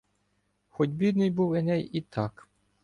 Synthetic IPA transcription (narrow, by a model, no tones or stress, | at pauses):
xɔdʲbʲid̪nɪjbuwɪnɛjit̪ʰɑk